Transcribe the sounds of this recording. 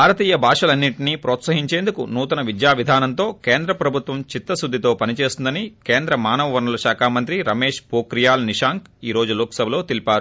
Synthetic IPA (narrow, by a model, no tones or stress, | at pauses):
bʱaːɾɐt̪iːjɐbʱaːʂɐlɐnːiʈiniːpɾoːt̪sɐɦiɲt͡ʃe̞ːnd̪ukunuːt̪ɐnɐʋid̪jaːʋid̪ʱaːnɐnt̪o̞ːkeːnd̪ɾɐpɾɐbʱut̪ʋɐmt͡ʃit̪ːɐsud̪ʱːit̪o̞ːpɐnit͡ʃe̞ːsind̪ɐnikeːnd̪ɾɐmaːnɐʋɐʋɐɾnulɐʃaːkʰaːmɐnt̪ɾiɾɐmeːʂpoːkɾijaːlniʂaːŋkiːɾo̞ːd͡ʒuluːksɐbʱɐlo̞ːt̪ilipaːɾu